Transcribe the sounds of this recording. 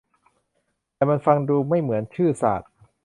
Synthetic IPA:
t̪ɛː˨˩ma˧nfa˧ŋduː˧ma˥˩jmɯ˩˦ənt͡ɕʰɯː˥˩sa̰ː˨˩t̪̚

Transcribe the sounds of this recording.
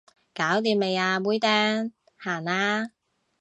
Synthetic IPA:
kaː˨˥wt̪̬iː˧mme˨˧jaː˧wuː˨˥jt̪ɛː˥ŋ | haː˨˩ŋaː˧

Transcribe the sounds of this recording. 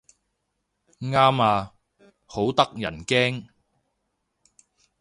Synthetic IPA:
ŋaː˥maː˧ | ho˨˥wt̪ɐ˥k̚jɐ̰˨˩nkɛː˥ŋ

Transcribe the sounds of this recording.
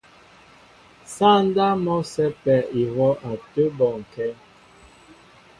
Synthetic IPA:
sa˦n˦da˦mɔ˦sɛ˦pɛ˨i˨wɔ˦ʔa˨tə˦bɔ˨ŋ̩˨kɛ˦

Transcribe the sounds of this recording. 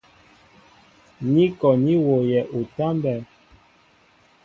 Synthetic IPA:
ɲi˦kɔ˨ni˦wo˨jɛ˨ʔu˨ta˦mbɛ˨

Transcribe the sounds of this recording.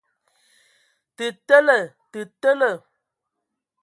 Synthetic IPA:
tɨ˨tə˦lə˨ | tɨ˨tə˦lə˦˨

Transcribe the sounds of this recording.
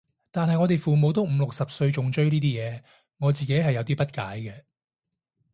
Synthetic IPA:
t̪aː˨nɦɐ˨jŋɔː˨˧t̪e˨jfuː˨mo˨˧wt̪̬o˨˥wm̩˨˧lʊ˨k̚sɐ˨p̚sɵ˧ɥt͡ʃʊ˨ŋt͡ʃɵ˥ɥniː˥t̪iː˥jɛː˨˧ | ŋɔː˨˧t͡siː˨ke˨˥jɦɐ˨jːɐ˨˧wt̪iː˥pɐ˥t̚ka̰ː˨˥jkɛ˧

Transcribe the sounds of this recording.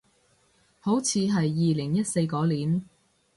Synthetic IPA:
ho˨˥wt͡sʰiː˨˧ɦɐ˨jːiː˨lɪ˨˩ŋjɐ˥t̚se˧jkɔː˨˥liː˨˩n

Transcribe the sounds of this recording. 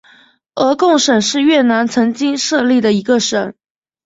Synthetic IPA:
ɤ˧˥kʊ˥˩ŋʂə˨˩nʂɻ̩˥˧ɥɛ˥˩na˧˥nt͡sʰɤ˧˥ŋt͡ɕi˥ŋʂɤ˥˧li˥˩d̪ə˩i˧˥ɡə˧ʂə˨˩˦n

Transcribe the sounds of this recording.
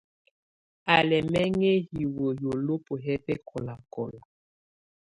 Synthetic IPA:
a˨lɛ˨mɛ˦ŋe˦hi˨wo˨jo˨lo˦po˨ɦɛ˦pɛ˦kʰɔ˨la˨kɔ˨lɔ˨

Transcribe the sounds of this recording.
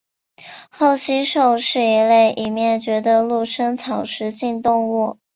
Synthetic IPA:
xo˥˩ʊɕi˥ʂo˥˧ʊʂɻ̩˥˩i˧˥le˥˩ɪʔi˨˩mjɛ˥˩nt͡ɕɥɛ˧˥d̪ə˧lu˥˩ʂɤ˥ŋt͡sʰɑ˨˩ʊʂɻ̩˧˥t͡ɕi˥˧nt̪ʊ˥˧ŋu˥˩

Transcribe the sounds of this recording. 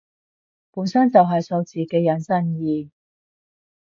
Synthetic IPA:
puː˨˥nsɐ˥nt͡sɐ˨wɦɐ˨jso˧t͡siː˨kɛː˧jɐ˨˥nsɐ˥njiː˨˧

